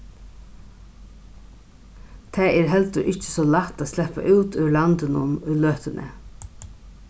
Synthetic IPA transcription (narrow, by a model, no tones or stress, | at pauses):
t̪ʰɛːɛːɾɦɛlt̪əɾʔɪt͡ʃɪ̥sɔlat̪ːaːslɛpːa̰ʔʉːt̪ʏlant̪ɪnʊnʏjløːht̪ɪnʔə̰